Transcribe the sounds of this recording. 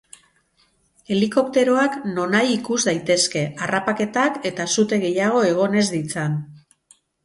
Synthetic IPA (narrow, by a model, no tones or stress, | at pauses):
e̞liko̞kt̪e̞ɾo̞akno̞najikuzd̪ajt̪e̞ske̞arapake̞t̪ake̞t̪asut̪e̞ɣe̞jaɣ̞o̞e̞ɣ̞o̞ne̞zd̪it͡san